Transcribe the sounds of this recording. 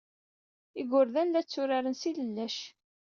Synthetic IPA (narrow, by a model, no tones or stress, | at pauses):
ɪɡʊɾðænlæt͡sːʊɾaɾənsiləlːæʃ